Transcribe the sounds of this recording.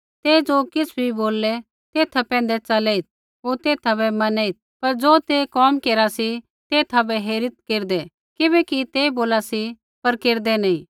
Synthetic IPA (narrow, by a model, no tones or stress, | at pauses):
t̪eːd͡ʒoːkɪsbʱiboːlːɛ | t̪eːt̪ʰapɛ̃ːn̆d̪ɛt͡ʃɐlɛːit̪̚ | ɦoːt̪eːt̪ʰabɛmɐnɛit̪̚pɐɾd͡ʒoːt̪eːkɔːmkeːɾasi | t̪eːt̪ʰabɛɦeːɾɪt̪̚keːɾd̪ɛ | kɪbɛkit̪eːboːlasi | pɐɾkeːɾd̪ɛnɐĩː